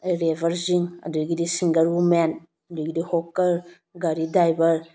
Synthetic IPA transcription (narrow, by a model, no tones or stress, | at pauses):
ɾebʱɐɾziŋɐ̰dujɡidisiŋɡəɾumen | ɐduɡidihokɐl | ɡaɾidajbɐɾ